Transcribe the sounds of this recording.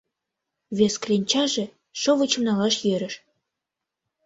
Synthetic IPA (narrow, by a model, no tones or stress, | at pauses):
βʲesklʲenʲt͡ɕɑʒĕ | ʃɤvɤ̆t͡ɕɤ̆mnɑlɑʃjeɾɘ̆ʃ